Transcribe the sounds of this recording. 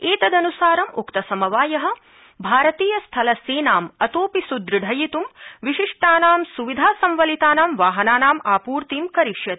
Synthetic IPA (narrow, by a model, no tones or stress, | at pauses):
eːt̪ɐd̪ɐnusaːɾɐmukt̪ɐsɐmɐʋaːjɐɦɐ̆ | bʱaːɾɐt̪iːjɐst̪ʰɐlɐseːnaːmɐt̪oːpisud̪ɾɨɖʱɐjit̪umʋiʃiʂʈaːnaːmsuʋid̪ʱaːsɐmʋɐlit̪aːnaːmʋaːɦɐnaːnaːmaːpuːɾt̪iːmkɐɾiʂjɐt̪